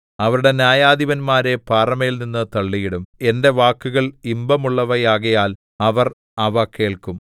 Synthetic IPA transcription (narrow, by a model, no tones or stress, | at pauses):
ɐʋɐɾuɽe̞njaːjaːd̪iʋɐnmaːɾe̞paːrɐmejilninːɨt̪ɐɭːijiɽume̞nde̞ʋaːkːuɣɐɭimbɐmuɭːɐʋɐjaːɣɐjaːl | ɐʋɐr | ɐʋɐke̞ːɭkum